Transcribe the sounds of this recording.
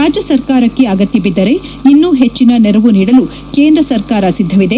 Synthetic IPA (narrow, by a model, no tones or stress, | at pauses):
ɾaːd͡ʒjɐsɐɾkaːɾɐkːe̞ɐɡɐt̪jibid̪ːɐɾe̞inːuɦet͡ʃːinɐnɛɾɐʋuniːɽɐlu | ke̞ːnd̪ɾɐsɐɾkaːɾɐsid̪ʱːɐʋid̪e